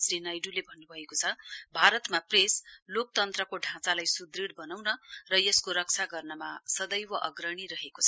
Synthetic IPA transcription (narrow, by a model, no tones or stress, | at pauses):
sɾinajɖulebʱʌnːubʱʌekot͡sʰʌbʱaɾʌt̪mapreslok̚t̪ʌnt̪rʌkoɖʱãt͡salajsud̪riɽbʌnawnʌrʌjʌskoɾʌk̚t͡sʰaɡʌrnʌmasʌd̪ʌjwʌʔʌɡrʌɽ̃iɾʌɦekot͡sʰʌ